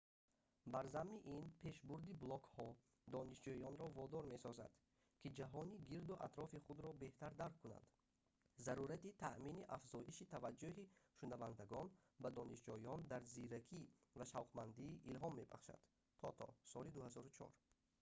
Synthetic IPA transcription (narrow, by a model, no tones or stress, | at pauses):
baɾzamːiʔinpʰe̞ʃbuɾd̪iblɔkhɔ | d̪ɔniʃd͡ʒuiɔnɾɔvɔd̪ɔɾme̞sɔza̰d̪̥ | kʰid͡ʒaɦɔniɡiɾd̪uʔa̰t̪ɾɔfiχud̪ɾɔbe̞ht̪aɾd̪aɾkʰːuna̰nd̪̥ | zaɾuɾat̪it̪ʰa̰ʔminiʔafzɔʔiʃit̪ʰavad͡ʒːuɦiʃunavand̪aɡɔnbad̪ɔniʃd͡ʒɔjɔnd̪aɾziɾakʰivaʃavqmand̪iːʔilɦɔmːe̞ba̰χʃa̰d̪̥ | t̪ʰɔt̪ʰɔ̰sɔlid̪uhazɔɾut͡ʃʰɔ̰ɾ